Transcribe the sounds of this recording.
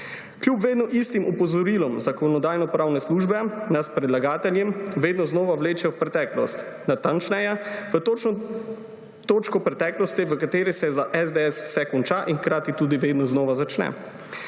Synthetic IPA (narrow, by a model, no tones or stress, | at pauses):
kljupʋeːd̪nɔʔist̪imʔɔpɔzɔɾilɔmzakɔnɔd̪aːjnɔpɾaːwnɛsluːʒbɛnaspɾɛd̪laɡaːt̪ɛljɛmʋeːd̪nɔznɔːʋawleːt͡ʃɛwpɾɛt̪ɛklɔ̰st̪ | nat̪ant͡ʃnɛjɛʋət̪oːt͡ʃnɔ | t̪oːt͡ʃkɔpɾɛt̪ɛːklɔst̪iʋəkat̪eːɾisɛzaʔɛzd̪eɛsw̥sɛkɔnt͡ʃaʔinxkɾaːt̪it̪uːd̪iʋeːd̪nɔznɔːʋazat͡ʃnɛ̰